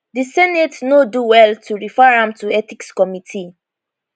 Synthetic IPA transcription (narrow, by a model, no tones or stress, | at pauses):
disɛnɛtnoduwɛltʰuɹifaɹãmtuɛtikskɔmitʰi